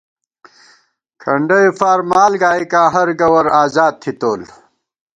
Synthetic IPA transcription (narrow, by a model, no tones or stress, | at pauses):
kʰɐɳɖɐifaːɾmaːlɡaːikaːɦɐɾɡɐwɐɾaːzaːd̪̚t̪ʰit̪oːl